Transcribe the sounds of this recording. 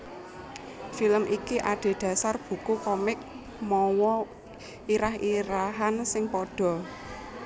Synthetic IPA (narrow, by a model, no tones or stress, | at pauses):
filəmʔikiʔaɖ̥e̤ɖ̪̥ä̤sarb̥ṳkukɔmɪk̚ | mɔwɔ | iɾaɦiɾaɦansɪŋpɔɖ̥ɔ̤